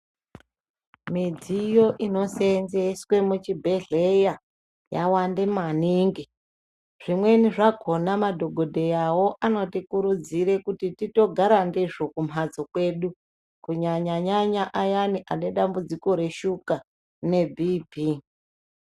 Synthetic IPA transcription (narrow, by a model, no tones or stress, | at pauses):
mid͡zijo̞ʔino̞se̞nzeswe̞mut͡ʃibʱe̞ɮe̞ja | ja̰wande̞maniːŋɡi | ʐ̥imwe̞niʐaɡʱo̞namadʱo̞ɡʱo̞dʱe̞jawo̞ʔano̞tikuɾud͡ziɾe̞kutitito̞ɡʱaɾandiʐo̞kumad͡zokwe̞ɗu | kuɲaɲaɲaɲaʔajaniʔaneɗambud͡ziko̞ɾe̞ʃuka | ne̞bʱibʱi